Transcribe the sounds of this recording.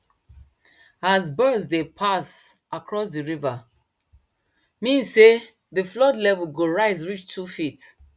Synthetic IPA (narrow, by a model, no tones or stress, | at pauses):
azbɜdsdepʰas | ʔakʰɹɔsdəɹiva | mĩnzse | ðəflɔdlɛvəlɡoɹaɪzɹit͡ʃtʰufit